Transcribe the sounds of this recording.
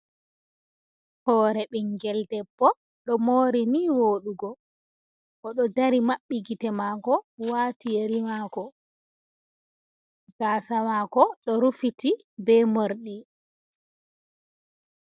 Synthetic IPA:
hɔːɾɛɓɛŋɡɛldɛpːɔ | ɗɔmoːɾiniwoːɗuɡɔ | ʔɔɗɔdaɾimaɓːiɡitɛmaɡɔwaːtijeɾimaːkɔ | ɡ̥aːsamaːkɔɗɔɾufiti | bɛmoɾɗi

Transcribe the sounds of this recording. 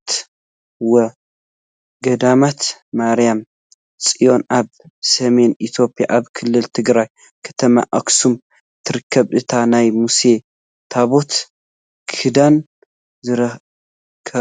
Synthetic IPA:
t̪ | wɐ | ɡɐd̪amat̪ | maɾijam | sʼijo̞nʔaβ | sɐme̞nʔit̪ʰjo̞pʼija̰ʔaβkʰɨlːɨlt̪ʰɨɡɾaj | kʰɐ̥t̪ʰɐma̰ʔaksum | t̪ʰɨɾɨkʰːɐβʔɨt̪ʰanajmuse̞ | t̪ʰaβo̞t̪ | kʰɨd̪an | zɨɾɐ | kʰɐ

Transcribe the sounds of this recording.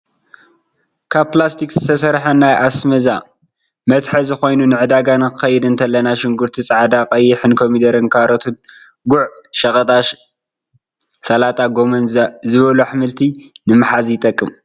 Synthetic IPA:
kʰaβplast̪ʰikzɨt̪ʰɐsɐɾħɐnːajʔasmɐza | mɐt̪ħɐzɨxo̞jnunɨʕɨd̪aɡanɨkɨxɐjɛd̪ɨnt̪ʰɐlːɐnaʃɪŋɡuɾt̪ʰit͡sʼaʕd̪aqʼɐjːɪħɨnkʰomid̪ɐɾɨnkʰaɾɐt̪ʰut̪̚ | ɡuʕʃɐkʼɐt̪ʼaʃ | sɐlat̪ʼaɡomɐnzɨβɐluħmɨlt̪ʰinɨmɨħazjɪt̪ʼɐkʼːɨm

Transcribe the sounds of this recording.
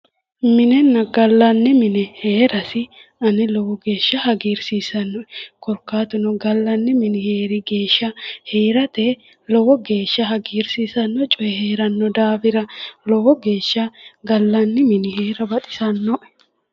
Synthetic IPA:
mɪnɛnːɐɡɐlːɐnːɪmɪnɛheːɾɐsɪɐnɪlɔwɔɡe̞ːʃːɐhɐɡiːɾsiːsɐnːɔɛkɔɾkaːt̪ʊnɔɡɐlːɐnːɪmɪnɪheːɾɪɡeːʃːɐheːɾɐt̪eː | lɔwɔɡe̞ːʃːɐɦɐɡiːɾsiːsɐnːɔt͡ʃʼɔɛheːɾɐnːɔd̪aːfɪɾɐlɔwɔɡe̞ːʃːɐɡɐlːɐnːɪmɪnɪɦeːɾɐbɐt̪ʼɪ̥sɐnːɔʔɛ̥

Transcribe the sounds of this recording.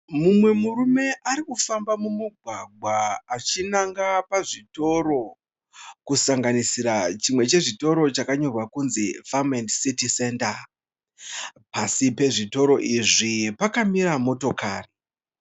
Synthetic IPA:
mumwe̞muɾume̞ʔaɾikufambamumuɡʱwaɡʱwaːt͡ʃinaŋɡapaʐito̞ɾo̞ | kusaŋɡanisiɾat͡ʃimwe̞t͡ʃe̞ʐito̞ɾo̞t͡ʃakaɲo̞rwakunzifamendsitise̞nta | pasipe̞ʐito̞ɾo̞ʔiʐipakamiɾamo̞to̞kaːri

